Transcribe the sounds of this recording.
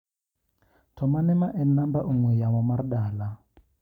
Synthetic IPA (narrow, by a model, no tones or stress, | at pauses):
tʰɔmanɛmaʔɛnambaʔuŋwɛjamɔmarɗaːla